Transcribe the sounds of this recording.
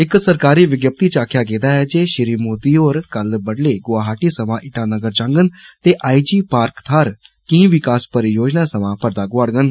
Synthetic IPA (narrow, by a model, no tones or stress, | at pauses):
ɪksəɾkaːɾiːʋɪɡjəp̚t̪iːt͡ʃaːkʰjaːɡeːd̪aːɛːd͡ʒeːʃɪɾiːmoːd̪iːɦoːɾkəlbəɽleːɡʊaːɦaːʈiːsəmãːʔɪʈaːnəɡəɾd͡ʒãːŋɡənt̪eːʔaːid͡ʒiːpaːɾkt̪ʰaːɾ | kĩĩʋɪkaːspəɾjoːd͡ʒnaːsəmãːpəɾd̪aːɡʊaːɽɡən